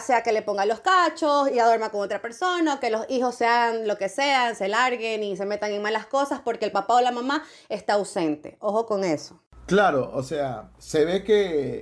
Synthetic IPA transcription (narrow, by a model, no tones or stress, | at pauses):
seake̞le̞po̞ŋɡalo̞skat͡ʃo̞siaðo̞ɾmako̞ŋo̞t̪ɾape̞ɾso̞naoke̞lo̞sixo̞sːeaɣanlo̞ke̞seanse̞laɾɣe̞nis̬e̞me̞t̪aŋe̞ŋmalasko̞saspo̞ɾkelpapaolamama | e̞st̪aːwse̞nt̪e̞̰oxo̞ko̞ŋe̞so̞̥ | klaɾoʔosea̰seβeke